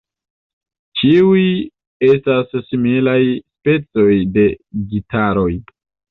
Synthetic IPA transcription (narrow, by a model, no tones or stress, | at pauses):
t͡ʃiuj | e̞stasːimilajspe̞t͡so̞jde̞ɡitaɾo̞j